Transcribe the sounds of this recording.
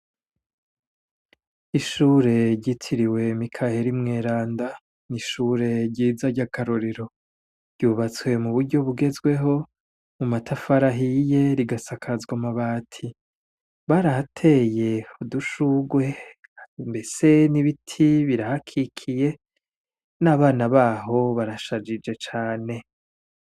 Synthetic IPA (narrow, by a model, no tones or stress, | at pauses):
iʃuːɾe̞ɾɟitʰiɾiwe̞mikʰahe̞ɾimŋe̞ːɾaːnda | niʃuɾe̞ɾɟiːzaɾɟakʰaɾoɾeɾo̞ | ɾɟuːβat͡swe̞muβuɾɟo̞βuɡe̞zɡwe̞ɦo̞ | mumatʰafaɾaɦije̞ɾiɡasakʰazɡwamaβaːtʰi | βaɾahatʰe̞je̞uduʃuɡwe̞ | mbe̞se̞niβitʰiβiɾahakʰikʰije̞ | naːβaːnaβaːɦo̞βaɾaʃad͡ʒid͡ʒe̞t͡ʃaːne̞